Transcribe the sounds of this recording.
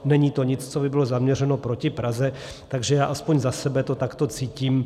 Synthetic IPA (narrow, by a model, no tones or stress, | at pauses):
nɛɲiːt̪o̞ɲɪt͡st͡sobɪbɪlo̞zamɲɛrɛno̞pɾo̞cɪpɾazɛ | t̪aɡʒɛjaːʔaspoɲzasɛbɛt̪o̞t̪akt̪o̞t͡siːciːm